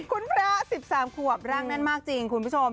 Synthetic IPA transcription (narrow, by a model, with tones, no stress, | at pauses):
kʰu˧˥npʰɾa˦˥si˨˩p̚saː˩˦mkʰu˨˩əp̚ɾa˦˥ŋna˥˩nmaː˥˩k̚t͡ɕi˧ŋkʰu˧npʰu˦˥t͡ɕʰo˧m